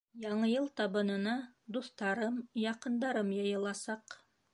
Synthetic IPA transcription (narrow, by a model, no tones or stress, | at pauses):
jɑɴɤjɤlˠt̪ɑβɤ̆nɤ̆nɑd̪uθt̪ɑɾɤmjɑqɤ̆nd̪ɑɾɤmjɑ̆jɤ̆lˠɑsɑq